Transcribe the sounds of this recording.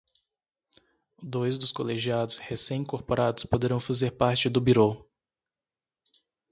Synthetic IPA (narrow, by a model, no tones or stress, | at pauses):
d̪ojzd̪ʊskoleʒiad̪ʊshesẽj̃ĩkoɾpoɾad̪ʊspod̪eɾɐ̃w̃fazeɾpaɾt͡ʃɪd̪ʊbiɾo